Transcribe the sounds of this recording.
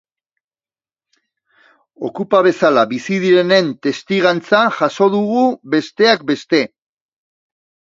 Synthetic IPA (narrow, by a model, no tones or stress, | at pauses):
o̞kupaβ̞e̞salaβisiðiɾe̞ne̞nt̪e̞st̪iɣ̞ant͡saʝaso̞ðuɣuβe̞st̪e̞ak̚be̞st̪e̞